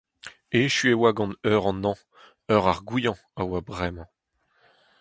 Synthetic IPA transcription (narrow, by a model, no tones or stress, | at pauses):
eʃyewaɡɑ̃nœʁɑ̃nɑ̃ | œʁaʁɡujɑ̃ | awabʁɛmɑ̃